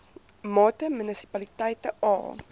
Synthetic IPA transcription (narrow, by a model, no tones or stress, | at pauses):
mɔːtəmynisi̥palit̪ɐjtəɔ̰ː